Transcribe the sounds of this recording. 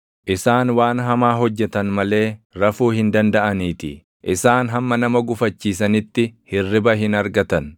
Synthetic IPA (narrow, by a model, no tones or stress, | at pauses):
ʔɪsaːnwaːnɦɐmaːɦɔd͡ʒːɛt̪ɐnmɐle̞ːɾɐfuːhɪnd̪ɐnd̪ɐʔɐniːt̪ɪ̰ | ʔɪsaːnɦɐmːɐnɐmɐɡʊfɐt͡ʃːiːs̬ɐnɪt̪ːɪhɪrːɪbɐɦɪnɐɾɡɐt̪ɐn